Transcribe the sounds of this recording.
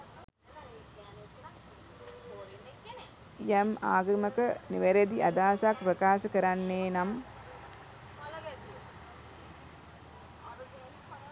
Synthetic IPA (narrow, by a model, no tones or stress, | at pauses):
jema̰ːɡɐmɐkɐniʋɐɾɐd̪iʔɐd̪aːsaːkpɾɐkaːsɐkɐɾanːeːnam